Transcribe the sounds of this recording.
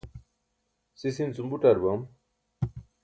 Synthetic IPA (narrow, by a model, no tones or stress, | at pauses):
sisint͡sumbuʈɐɾbɐm